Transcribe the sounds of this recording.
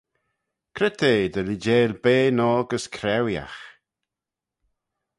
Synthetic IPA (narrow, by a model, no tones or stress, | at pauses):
kʰɾɪt̪ʰeːd̪əlid͡ʒeːlbeːnɔːɡəskʰɾɛwja̰x